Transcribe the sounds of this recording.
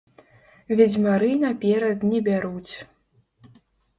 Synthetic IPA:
vʲɛd͡zʲmaɾɨnɐpʲɛɾɐd̪nʲɛbʲaɾut͡sʲ

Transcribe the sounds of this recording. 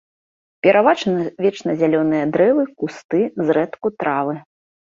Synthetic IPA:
pʲɛɾʔavat͡ʂɐnɐvʲɛt͡ʂnɐzʲalʲɔnɨjɐd̪ɾɛvɨkust̪ɨzɾɛt̪kut̪ɾavɨ

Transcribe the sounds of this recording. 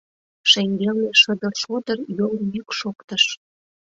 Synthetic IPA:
ʃeŋɡelneʃə̆d̪ərʃod̪ərjoljykʃokt̪əʃ

